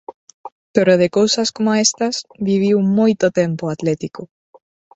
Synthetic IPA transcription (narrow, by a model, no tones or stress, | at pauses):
t̪oɾoðekowsaskomoaest̪asβiβ̞iwmojt̪ot̪empoat̪let̪iko